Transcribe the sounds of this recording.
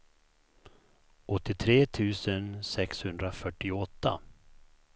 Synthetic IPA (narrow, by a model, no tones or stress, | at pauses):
ɔt̪ːɪt̪ʰɾeːt̪ʰʉ̟ːsənsɛkshɵnd̪ɾafœʈːɪɔt̪ʰːa̰